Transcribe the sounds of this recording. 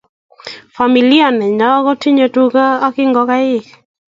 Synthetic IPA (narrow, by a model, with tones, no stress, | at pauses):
fa˨mi˨li˦a˨nɛ˨ɲɔ˦ɡɔ˦ti˦ɲo˨tukaː˦kɪ˦ŋɡɔka˦ɪ˦